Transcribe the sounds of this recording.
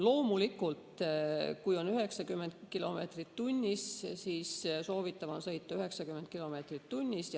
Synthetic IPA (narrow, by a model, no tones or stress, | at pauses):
lo̞ːmulikult̪kujo̞nyɦe̞ksɑkymːend̪kilo̞me̞ːt̪rit̪ːunʲːissiːsso̞ːvit̪ːˑɑvɑnsɤ̞jt̪ːˑɑyɦe̞ksɑkymːend̪̥̚kilo̞me̞ːt̪rit̪ːunʲːis